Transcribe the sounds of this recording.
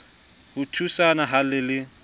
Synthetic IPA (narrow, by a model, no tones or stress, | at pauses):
hʊtʰusanaɦalɪlɪ